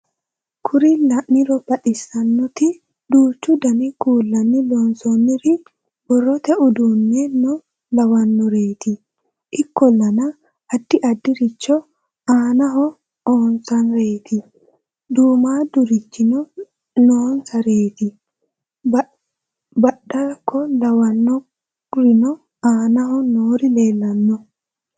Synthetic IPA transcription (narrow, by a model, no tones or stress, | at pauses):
kʰʊɾɪlɐnːɪɾɔbɐɗɪsːɐnːɔt̪ɪ | d̪uːt͡ʃːʊd̪ɐnɪkuːlːɐnːɪlɔnsɔnːɪɾɪ | bɔrːɔt̪ɛʔʊd̪uːnːɛnɔ | lɐwɐnːɔɾeːt̪ɪ | ʔɪkːɔlːɐnɐ | ɐd̪ːɪʔɐd̪ːɪɾɪt͡ʃːɔ | aːnɐɦɔ | oːnsɐnɾe̞ːt̪ɪ | d̪uːmaːd̪ʊɾɪt͡ʃːɪnɔ | noːnsɐɾe̞ːt̪ɪ | bɐɗaːkːɔlɐwɐnːɔ | ɾɪnɔ | aːnɐhɔnoːɾɪle̞ːlːɐnːɔ